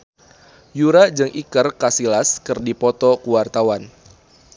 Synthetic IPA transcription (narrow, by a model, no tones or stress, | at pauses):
juɾad͡ʒɨŋʔikərkasilaskɨrdipɔt̪ɔkuwart̪awan